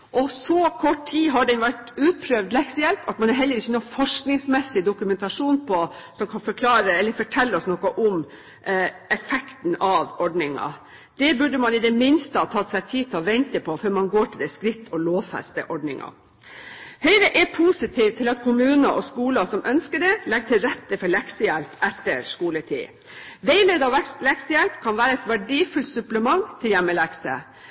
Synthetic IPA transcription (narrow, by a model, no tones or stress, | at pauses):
ʔɔsɔkʰɔʈːʰiːɦɑɖɛnʋæʈʉːt̪̚pʰɾøːʋd̪lɛksəjɛlpɑt̪mɑnɑɾɦɛlːəɾɪçːənuːfɔʂknɪŋsmɛsːɪd̪ʊkʉmɛnt̪ɑʂuːnpʰɔsɔmkʰɑnfɔɾkʰlɑːɾəɛlːəɾfɔʈʰɛlːəɔsnɔkəʔʊm | ɛfɛkt̪n̩ɑʋɔɖɳɪŋɑ̰ | d̪̥ɛbʉɖəmɑnɪd̪ɛmɪnst̪əhɑt̪ʰɑt̪sæɪt̪ʰiːt̪ʰɪlɔʋɛnt̪əpʰɔfœɾmɑnɡoːʈʰɪld̪ɛɪskɾɪt̪ːʰɔloːʋfæ̰st̪ə̰ʔɔɖnɪ̰ŋɑ̰ | hœʏɾəʔɛpʰusɪt̪ʰiːʋt̪ʰɪlɑt̪kʰʊmʉːnəʔɔskuːlɑsɔmʔœnskəɖɛlɛɡ̚t̪ʰɪlɾɛt̪ːəfɔɭɛksəjɛlpɛt̪ːəɾʂkuːləʈʰḭː | ʋɛɪleːd̪ɑʋɛslɛksəjɛlpkʰɑnʋæːɾəɛt̪ʋæɖiːfʉlt̪sʉpləmɑŋt̪ʰɪljæmːəlæksə̰